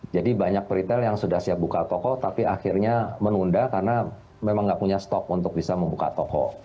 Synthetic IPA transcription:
d͡ʒadibaɲak̚pɾit̪ɛljaŋsudahsiap̚bukat̪ɔkɔt̪apiaxirɲamənundakarna | memaŋɡaʔpuɲast̪ɔkunt̪ʊk̚bisaməmbuka̰t̪ɔkɔ̰

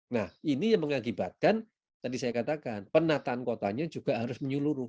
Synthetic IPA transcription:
nahinijaŋməŋakibat̪̚kan | t̪adisajakat̪akanpənat̪ankot̪aɲad͡ʒuɡ̥aɦaɾʊsməɲuluɾʊh

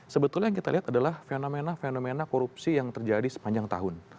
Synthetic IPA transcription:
səbət̪ʊlɲajaŋkit̪aliɦat̪adalahfenomenafenomenakoɾupsijaŋt̪ərd͡ʒadisə̥paɲd͡ʒaŋt̪a̰ɦʊn

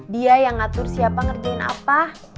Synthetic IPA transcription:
diajaŋat̪ʊrsiapaŋərd͡ʒaɪna̰pah

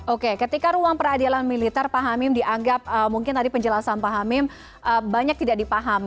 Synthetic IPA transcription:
ʔokekət̪ikaɾuaŋpəɾadilanmilit̪ɛrpaɦamɪmdiʔaŋɡap̚əmuŋkɪnt̪adipəɲd͡ʒəlasanpaɦamɪm | əbaɲak̚t̪idaʔ̚dipaɦam

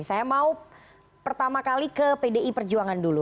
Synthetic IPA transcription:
sajamau | pərt̪amakalikəpedeʔipərd͡ʒuaŋandulu

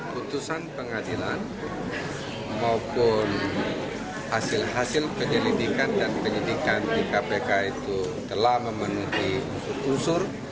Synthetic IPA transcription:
put̪usanpəŋadilan | maupʊn | hasɪlɦasɪlpəɲəlidikandanpəɲidikant̪ikapekait̪ut̪əlahməmənuɦiunsʊrunsʊr

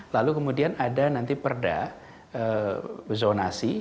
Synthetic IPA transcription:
lalukəmudianadanant̪ipərda̰ | əbzonasi

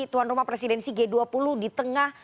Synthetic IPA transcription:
it̪uanrumahpɾesidɛnsiɡeduapuluhdit̪əŋah

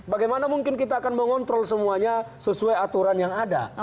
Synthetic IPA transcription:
baɡajmanamuŋkɪnkit̪aːkanməŋɔnt̪ɾɔlsəmuaɲasəsuajat̪uɾanjaŋada̰

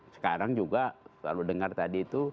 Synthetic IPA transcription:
sə̥kaɾaŋd͡ʒuɡala̰ludəŋart̪adiːt̪u

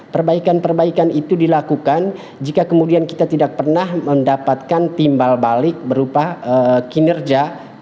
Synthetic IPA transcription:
pərbaikanpərbaikanit̪udilakukan | d͡ʒikakəmudiankit̪at̪idak̚pərnahməndapat̪̚kant̪imbalbalɪk̚bəɾupaəkinərd͡ʒa

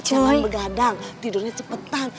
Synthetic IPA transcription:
t͡ʃabəɡadaŋt̪idɔrɲat͡ʃəpət̪an

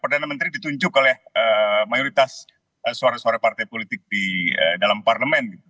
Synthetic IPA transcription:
pərdanamənt̪ɾidit̪uɲd͡ʒʊkolɛhəmajoɾit̪as | əsuaɾasuaɾapart̪ajpolit̪ɪk̚diə̰dalamparləmɛnɡit̪u̥

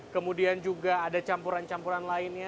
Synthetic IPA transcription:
kəmudiand͡ʒuɡaːdat͡ʃampuɾant͡ʃampuɾanlaɪnja

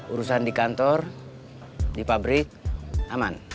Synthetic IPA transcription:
uɾusandikant̪ɔr | dipabɾik̚ʔaman

